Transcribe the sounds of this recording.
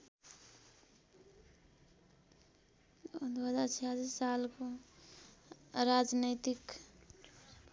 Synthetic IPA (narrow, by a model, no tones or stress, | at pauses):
d̪uɦəd͡ʒaɾt͡ʃʰeɦad͡zasalko | ɾad͡ʒnet̪ik